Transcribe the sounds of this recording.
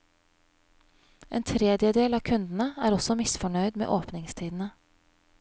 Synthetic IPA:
ʔḛːnt̪ʰɾɛːd̪jəd̪eːlɑːkʰʉnd̪n̩əæːɾɔsɔmɪsfɔɳœʏd̪mḛːʔoːpnɪŋst̪ʰiːd̪n̩ə

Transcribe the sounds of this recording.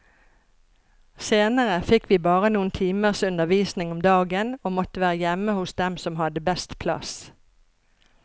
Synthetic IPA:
seːnəʁəfɪkʋiːbɑːʁənuːənt̪ʰiːməʁsʉnd̪əʁʋiːsnɪŋɔmd̪ɑːɡənoːmɔt̪əʋæːʁəjɛməhʊsd̪ɛmsɔmhɑd̪əbɛst̪pʰlɑ̰s

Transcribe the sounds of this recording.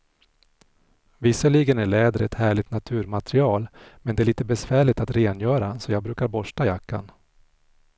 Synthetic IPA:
vɪsəɭiːɡənæɭɛːd̪əɾɛt̪hæːɭɪt̪nat̪ʰʉ̟ːɾmat̪ɾɪɑːlmɛnd̪ɛæɭiːt̪əbɛsvæːɭɪt̪at̪ɾeːnjœːɾasɔjɑːɡ̚bɾʉ̟ːkaɾbɔʂʈajakːa̰n

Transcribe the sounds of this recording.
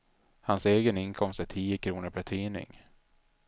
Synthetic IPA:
hanseːɡənɪnkʰɔmst̪æʈʰiːjəkʰɾuːnəɾpʰæʈʰiːnɪ̰ŋ

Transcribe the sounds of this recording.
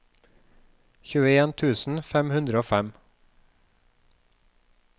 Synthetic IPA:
çʉːəeːnt̪ʰʉːsn̩fɛmhʉnd̪ɾəoːfæm

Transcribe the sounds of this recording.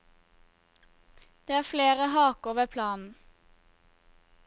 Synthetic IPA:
d̪̥eːæːfleːʁəhɑːkoːʋəpʰlɑːnn̩

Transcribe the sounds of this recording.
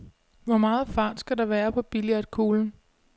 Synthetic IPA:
ʋɒmɑ̈ːð̩ˠfɑ̈ːd̥sɡ̥ædɑ̈ʋæːɐpʰɒ̽b̥iliæd̥kʰo̝ːln̩

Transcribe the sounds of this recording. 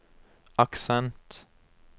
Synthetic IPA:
ɑksɛnt̪

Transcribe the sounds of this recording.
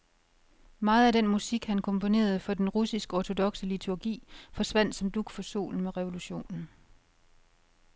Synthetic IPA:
mɑ̈ːð̞̩ˠæɾenmusiɡ̥hænkʰɒ̽mpʰo̝ne̝̰ːɐð̞̩ˠfɒ̽d̥enʁusisɡ̥əɒt͡sʰo̝d̥ɒ̽ɡ̥səlit͡sʰuɐɡ̥ḭːfɒ̽sʋæn̰d̥sɒ̽md̥uɡ̥fɒ̽so̝̰ːln̩meʁɛʋo̝luɕo̝̰ːnn̩

